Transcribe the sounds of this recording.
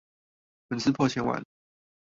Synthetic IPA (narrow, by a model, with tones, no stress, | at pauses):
pə˨˥nsɹ̩˥pʰwɔ˥˩t͡ɕʰjɛ˧˥nwa̰˨˦n